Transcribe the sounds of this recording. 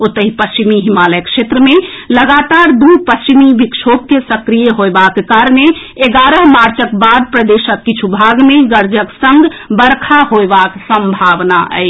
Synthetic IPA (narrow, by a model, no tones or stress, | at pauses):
ot̪əɦipəst͡ʃimiɦimaləjkʃet̪ɾəme | ləɡat̪aɾd̪upəst͡ʃimibikʃʰop̚kesəkɾijəɦoebakekaɾəne | eɡaɾəɦmaɾt͡ʃəkbad̪̚pɾəd̪eʃəkːit͡ʃʰubʱaɡmeɡəɾd͡ʒəksə̃ŋɡbəɾkʰaɦoebaksəmbʱabnaə̰ɪ